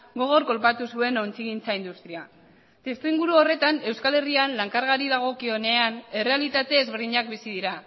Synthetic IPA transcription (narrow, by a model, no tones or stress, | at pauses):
ɡo̞ɣ̞o̞ɾko̞lpat̪usue̞no̞nt͡siɣint͡saind̪ust̪ɾia | t̪e̞st̪uiŋɡuɾuo̞re̞t̪ane̞wskale̞rianlaŋkaɾɣaɾiðaɣ̞o̞kio̞ne̞ane̞re̞alit̪at̪e̞ːzβeɾðiɲak̚bisiðiɾa